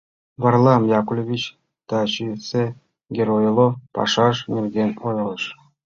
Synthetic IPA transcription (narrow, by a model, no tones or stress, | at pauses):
βɑrlˠɑmjɑkulʲovʲit͡ɕ | t̪ɑt͡ɕise | ɡʲeɾojlˠopɑ̰ʃɑʃnʲerɡʲenʲojlˠɤʃ